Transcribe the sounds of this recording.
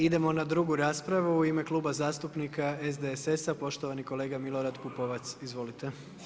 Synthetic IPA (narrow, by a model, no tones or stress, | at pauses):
id̪e̞mo̞nad̪ɾuɡuɾaːspɾaʋuːime̞klˠuːbazaːst̪upnikaezd̪eese̞sapo̞ʃt̪oʋaniko̞le̞ːɡamilo̞ɾad̪kupoʋat̪sizʋo̞lit̪e̞